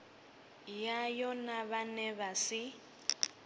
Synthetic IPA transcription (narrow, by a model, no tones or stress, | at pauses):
jajɔnaβanɛβasɪ